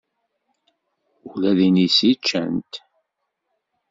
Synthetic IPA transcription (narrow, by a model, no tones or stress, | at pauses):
ulæðinisit͡ʃːə̰nt̪